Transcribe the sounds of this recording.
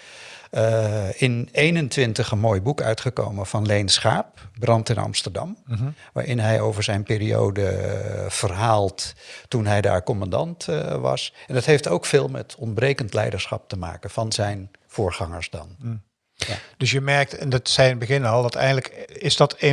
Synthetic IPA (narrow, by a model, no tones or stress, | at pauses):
ɪnejnəntʋɪntəχənmoːjbukœ̰ɥtχəko̰wmənv̥ɑnlejnsχaːp̚brɑntɪnɑ̰mstəɹdɑmʋa̰ːɹʔɪnɦɛjowvəɹzɛjnpeːɾio̰wdə̰v̥ərɦaːlˠttunɦɛjda̰ːɹkɔmɑndɑ̰ntʋɑ̰sɛndɑtɦejftowkfɪːlˠmɛ̰tɔntbrejkəntlɛ̰jdəɹsχɑ̰p̚təma̰ːkənvɑnzɛjn | foːɹχɑŋəɹsdɑn | d̥ɵsjəmɛɹk̚tɛndtsɛjnbəɣɪnɑlˠdɔtɛ̰jndləkɪzdɑt